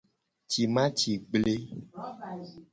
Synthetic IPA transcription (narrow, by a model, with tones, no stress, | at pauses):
t͡ʃi˨mã˦t͡ʃi˨ɡ͡ble˦